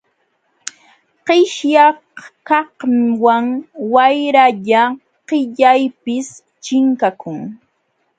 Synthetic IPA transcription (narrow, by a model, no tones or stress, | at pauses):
qɪʃjɑhkɑhwaŋwajɾaʎa | qɪʎajpɪs | t͡ʃɪŋkakʊŋ